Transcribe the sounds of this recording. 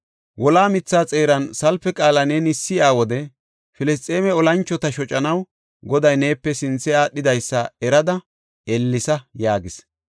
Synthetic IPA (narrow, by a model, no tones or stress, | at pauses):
wɔlaːmɪt͡sːaːt͡sʼe̞ːɾɐnsɐlfɛkʼaːlɐnenɪsːɪjaːwɔd̪ɛ | fɪlɛs̬t̪ʼːeːmɛɔlɐnt͡ʃːɔt̪ɐʃɔt͡ʃʼːɐnɐw | ɡɔd̪ɐjne̞ːpːɛsɪnt͡sːɛaːɗːɪd̪ɐjsːɐɛɾɐd̪ɐ | ɛlːɪsɐjaːɡɪs